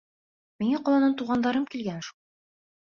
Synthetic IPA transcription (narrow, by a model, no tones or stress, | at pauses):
miŋæqɒlˠɑnɤnt̪uʁɑnd̪ɑɾɤmkilɡænʃu